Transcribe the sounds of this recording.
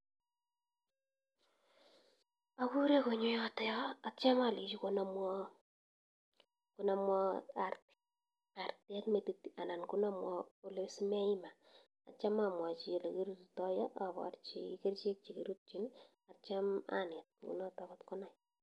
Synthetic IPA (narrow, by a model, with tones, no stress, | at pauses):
a˦ku˦ɾe˦ko˨ɲo˦jɔ˦tɔ˦jɔ˦at͡ʃa˦ma˨li˨t͡ʃi˦ko˦namwɔ˦ | ko˦na˦mwɔ˦a˨rt | a˨rtɛ˦kme˨ti˨ta˨na˨nku˦na˦mwɔ˦o˦le˦si˦m˦a˦i˦ma˨ | a˨t͡ʃa˦ma˨mwa˨t͡ʃi˦˨le˨ke˦ɾu˦tutɔ˦jɔ˦ʔa˨βɔ̰˨rt͡ʃike˦rt͡ʃe˦k̚t͡ʃi˨ke˨ɾu˦t̚t͡ʃi˦n | at͡ʃa˦ma̰˦ne˨t̚ṵ˨nɔ˦ta˨βɔtkɔ˦na˨j